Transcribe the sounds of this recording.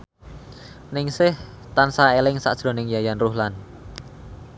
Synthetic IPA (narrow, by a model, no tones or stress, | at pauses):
nɪŋsɪh | t̪ansaelɪŋsa̰ʔd̥ʒ̥ɾo̤nɪŋjajanruhlan